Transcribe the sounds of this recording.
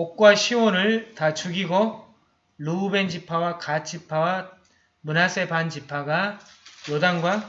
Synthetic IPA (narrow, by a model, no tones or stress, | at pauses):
ok̚k͈waɕʰiwonɯɭtat͡ɕʰuɡiɡo | ɭuːbe̞nd͡ʑipʰawakat͡ɕ͈ʰipʰawa | munasʰe̞pand͡ʑipʰaɡajodaŋɡwa